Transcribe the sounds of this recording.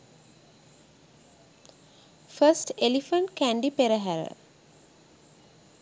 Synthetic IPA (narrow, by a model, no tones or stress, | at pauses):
fəsʈelifəɳʈkæɳɖipeɾəɦæɾə̰